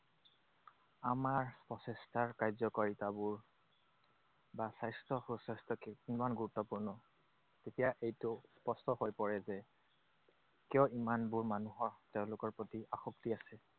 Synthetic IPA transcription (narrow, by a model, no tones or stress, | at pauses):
amaɹspɔsɛstʰaɹkajzɔkoɹitabuɹ | basajstɔxosajstʰɔkimanɡuɹutːɔpuɹnɔ | tetijaʔejtʊspɔstɔhojpɔɹɛzɛ | kijɔimanbuɹmanuɦɔɹteʊ̃lʊkɔɹpɹotiʔaxɔktiasɛ